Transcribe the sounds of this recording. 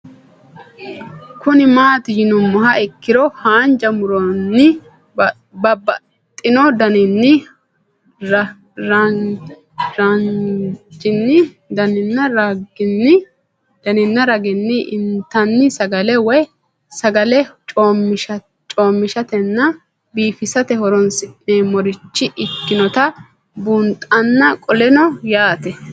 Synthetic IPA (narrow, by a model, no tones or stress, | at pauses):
kʊnɪmaːt̪ɪjɪnʊmːɔɦɐʔɪkːɪɾɔhaːnd͡ʒɐmʊɾɔnːɪ | bɐbɐ | t̪ʼːɪnɔd̪ɐnɪnːɪ | ɾɐ | ɾɐnd͡ʒɪnːɪ | d̪ɐnɪnːɐɾɐɡɪnːɪ | d̪̥ɐnɪnːɐɾɐɡɪnːɪʔɪnt̪ɐnːɪsɐɡɐlɛwɔj | sɐɡɐlɛt͡ʃʼoːmʃɐ | t͡ʃʼoːmːɪʃɐt̪ɛnːɐ | biːfɪsɐt̪ɛhɔɾɔnsɪneːmɔɾɪt͡ʃːɪʔɪkːɪnɔt̪ɐ | bunt̪ʼɐnːɐkʼɔlɛnɔjaːt̪ɛ